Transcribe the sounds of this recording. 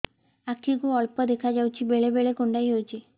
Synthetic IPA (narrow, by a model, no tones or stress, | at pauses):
akʰːikuɔɭpɔd̪ekʰad͡ʒawt͡ʃʰibeɭebeɭekoɳɖajɦowt͡ʃʰi